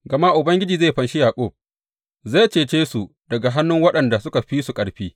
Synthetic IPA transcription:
ɡɐ˨ma˦ʔʊ˨bɐ˦ŋɡʲɪ˦d͡ʒiː˨zeː˦˨ɸɐ˨nʃɪ˦jaː˨koː˦˨ | ze˦˨t͡ʃeː˨t͡ʃeː˦su˨ | dɐ˨ɡa˨ɦa˦nːʊ˦ŋwɐ˦ɗɐ˨nda˨sʊ˦ka˨ɸiː˦su˨kʼɐ˨ɽɸiː˦

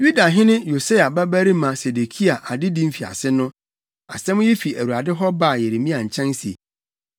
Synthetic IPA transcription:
ju˦da˨ɦɪ̃˦nɪ̃˦jo˨se˦a˨bæ˦bæ˦ɾi˦mã˨se˨de˨kʰi˦a˨ʔa˨dɪ˦dĩ˦m̩˦fi˨a̰˨sɪ˦nʊ̃˦ | a̰˨sɛ̃˦mʊ̃˦jɛ˦fi˨æ˨wu˨a˨dɪ˦ɦɔ˦ba˦˨je˨ɾe˨mĩ˦a˨ɲ̩˨t͡ɕʰɛ̃˦nsi˨e˨

